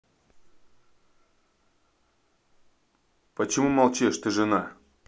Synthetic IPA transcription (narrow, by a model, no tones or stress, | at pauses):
pət͡ɕɪmumɐlˠt͡ɕeʂt̪ɨʐɨna